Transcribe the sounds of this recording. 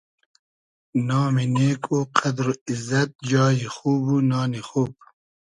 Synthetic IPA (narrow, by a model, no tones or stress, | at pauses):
nɑːmineːkʰoqʰɐd̪ɾoizɐt̪̚d͡ʒɑːjixuːbunɑːnixuːb̚